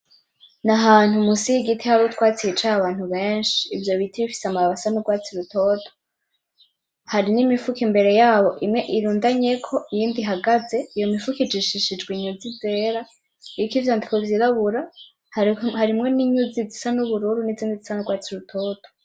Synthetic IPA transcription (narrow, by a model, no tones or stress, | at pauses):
naɦaːn̥humusijiɡitʰihaɾutkwaːt͡siit͡ʃaaβaːn̥huβe̞ːnʃi̥ːvjo̞βitʰiβifi̥samaɾaβasanuɡwaːt͡siɾutʰo̞tʰo̥ | haɾinimifukimbe̞ɾe̞jaːβo̞ʔimŋe̞ʔiɾuːndaɲekʰo̞ʔijiːndiɦaɡaze̞ijo̞mifukid͡ʒiʃiʃid͡ʒɡwiɲuzize̞ɾa | ikivjandikovjiɾaβuɾa | hhaɾimŋe̞niɲuzizisanuβuɾuːɾuniziːndizisanuɡwaːt͡siɾutʰoto̥